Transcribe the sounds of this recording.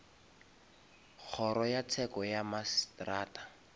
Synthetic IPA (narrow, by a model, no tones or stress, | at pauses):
k͡xʰɔɾɔjat͡sʰɛkɔjamastraːtḁ